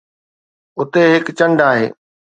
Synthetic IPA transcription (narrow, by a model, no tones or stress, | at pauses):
ʊt̪eɦɪkt͡ɕə̃ɳɖaːɦḛː